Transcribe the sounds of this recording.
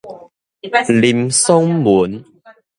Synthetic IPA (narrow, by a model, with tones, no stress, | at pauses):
li˨˧˩mso˦ŋmu˨˦n